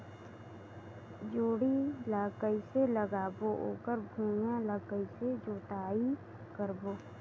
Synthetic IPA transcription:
d͡ʒoːɽilaːkəiseləɡaːboʔo̰ːkəɾbʱũːjãlaːkəised͡ʒoːʈaːi | kəɾboː

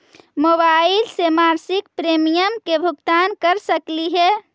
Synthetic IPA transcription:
mobailsemaɾsik̚pɾemijəmkebʱuɡt̪ankəɾsəkliɦɛ

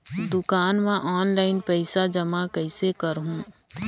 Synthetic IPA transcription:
d̪ʊkaːnmẽʔɔːnlaːɪnpɛɪsad͡ʒɐmakəɪsekəɾɦũ

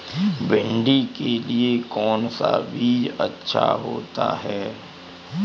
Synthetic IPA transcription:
bɪ̃ɳɖikeliekɔːnsabʱiɐ̰tːʃʰaɦo̰ːt̪a̰ɦɛː

